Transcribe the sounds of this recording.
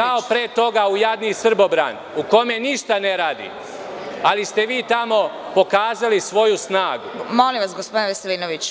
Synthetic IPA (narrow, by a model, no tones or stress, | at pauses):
kao̞pɾeːt̪o̞ɡaujad̪nisr̩bo̞bɾa̰n | uko̞me̞niʃt̪aneɾaːd̪ḭ | alist̪e̞ʋiːt̪amo̞ | po̞kaːzalisʋo̞jusnaːɡumolimʋasɡospod̪inʋeseliːnoʋit͡ɕ